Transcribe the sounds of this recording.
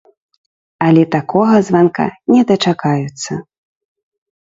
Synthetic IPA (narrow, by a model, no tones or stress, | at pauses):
ɐlʲɛt̪akʰɔɣɐzvanka̰nʲɛd̪ɐt͡ʂakajut̪sːɐ